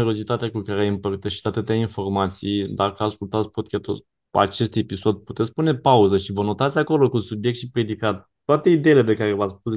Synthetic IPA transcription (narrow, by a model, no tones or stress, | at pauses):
eɾo̞zit̪at̪eakukaɾeajɨmpərt̪əʃi̥t̪at̪ɨt̪eainfo̞rmat̪sḭjd̪akəaskult̪at̪sʲpot̪̚kʲat̪o | a̰t͡ʃe̞st̪e̞piso̞d̪̚pu̥t̪et̪sspune̞pauzəʃivəno̞t̪at̪sʲako̞lo̞kusubjekt̪ʃipɾʲje̞d̪ikat̪ | t̪ːoat̪e̞id̪e̞jilep̬e̞kaɾe̞vat̪spus